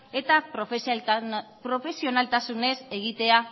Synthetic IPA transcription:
e̞t̪apɾof | pɾo̞fe̞sio̞nalt̪asune̞se̞ɣit̪e̞a

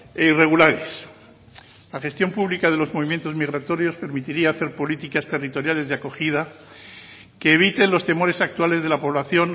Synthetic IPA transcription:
eire̞ɣulaɾe̞s | laχe̞st̪jo̞mpuβlikaðe̞lo̞zmo̞βimje̞nt̪o̞zmiɣɾat̪o̞ɾjo̞spe̞ɾmit̪iɾiaːθe̞ɾpo̞lit̪ikast̪e̞rit̪o̞ɾjale̞zðeako̞xið̞a | ke̞ːβ̞it̪e̞nlo̞st̪e̞mo̞ɾe̞sak̚t̪wale̞zð̞e̞lapo̞βlaθjo̞n

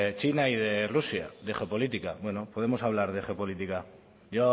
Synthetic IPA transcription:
et͡ʃinaiðe̞rusja̰d̪e̞xeopo̞lit̪ikabwe̞no̞poðe̞mo̞saβ̞laɾðexeopo̞lit̪ika | ʝo

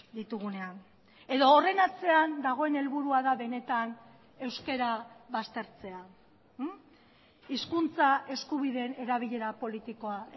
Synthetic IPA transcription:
d̪it̪uɣune̞an | e̞ðo̞ːre̞nat͡se̞and̪aɣ̞o̞e̞ne̞lβuɾuaðaβe̞ne̞t̪an | e̞wske̞ɾaβast̪e̞ɾt͡se̞a | iskunt͡sae̞skuβ̞iðe̞ne̞ɾaβ̞iʎe̞ɾapo̞lit̪iko̞a

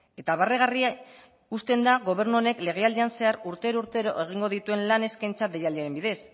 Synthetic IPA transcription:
e̞t̪aβareɣ̞aria | ust̪e̞nd̪aɣo̞β̞e̞ɾnuo̞ne̞kle̞ɣ̞e̞ald̪ieanse̞aɾuɾt̪e̞ɾouɾt̪e̞ɾo̞̰ʔeɣ̞iŋɡo̞ð̞it̪ue̞nlane̞skajnt͡sat̪d̪ejaldiaɾe̞mbiðe̞s

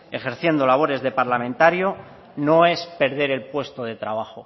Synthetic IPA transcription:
e̞χe̞ɾθje̞nd̪o̞laβ̞o̞ɾe̞zðe̞paɾlamẽnt̪aɾjo̞ | no̞e̞spe̞ɾð̞e̞ɾe̞lpwe̞st̪oðe̞t̪ɾaβ̞aχo

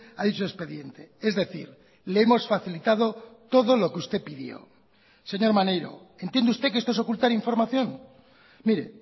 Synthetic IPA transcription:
aðit͡ʃoespe̞ðje̞nt̪e̞e̞zðe̞θḭɾ | leemo̞sfaθilit̪að̞o̞t̪oðolo̞keust̪epiðjo̰ | se̞ɲo̞ɾmanejɾo̞̰ | ent̪jend̪ust̪ek̬eest̪oeso̞kult̪aɾiɱfo̞ɾmaθjo̞ŋ | miɾḛ

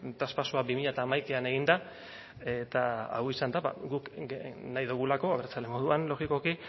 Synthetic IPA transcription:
t̪aspasuabimiʎat̪aːmajkeane̞ɣind̪a | e̞t̪aa̰wisand̪aβa̰ɡuknajðuɣ̞ulako̞aβeɾt͡salemo̞ðuanlo̞ɣiko̞ki

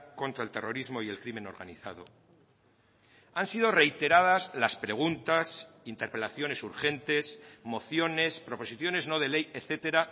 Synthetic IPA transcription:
ko̞nt̪ɾaelt̪e̞rʔo̞ɾizmo̞ielkɾime̞no̞ɾɣa̰niθa̰ð̞o̞̰ | ansiðo̞re̞jt̪e̞ɾað̞azlaspɾe̞ɣ̞unt̪as | int̪e̞ɾpe̞laθjo̞ne̞suɾxe̞nt̪e̞smo̞θjo̞ne̞spɾo̞po̞siθjo̞ne̞zno̞ð̞e̞le̞jeθe̞t̪e̞ɾa

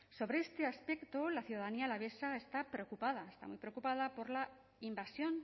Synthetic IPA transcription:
so̞βɾeest̪easpekt̪olaθjuðaðanialaβ̞esaest̪apɾeokupaðaest̪a̰mṵjpɾeokupað̞apo̞ɾla | imbasjo̞n

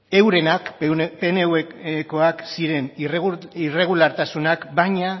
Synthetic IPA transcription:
e̞wɾe̞nakpe̞neweko̞aksiɾe̞nrire̞ɣ̞ulaɾt̪asunakbajɲa

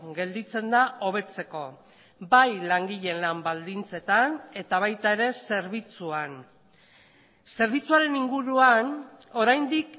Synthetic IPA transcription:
ɡe̞ld̪it͡se̞nd̪aʔo̞β̞e̞t͡se̞ko̞ | bajlaŋɡiʎe̞nlambald̪int͡se̞t̪ane̞t̪aβ̞ajt̪ae̞ɾe̞se̞ɾβ̞it͡suan | se̞ɾβit͡suaɾe̞niŋɡuɾuano̞ɾajnd̪ik

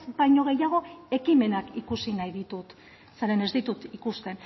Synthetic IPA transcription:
sbajɲo̞ɣ̞e̞jaɣ̞o̞e̞kime̞nakikusinajðit̪ut̪ | saɾe̞ne̞zd̪it̪ut̪ikust̪e̞n

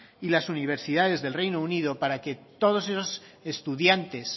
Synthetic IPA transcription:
ilasuniβ̞e̞ɾsiðað̞e̞zðe̞lrejnouniðo̞paɾake̞t̪o̞ð̞o̞se̞sos | est̪uðjant̪e̞s

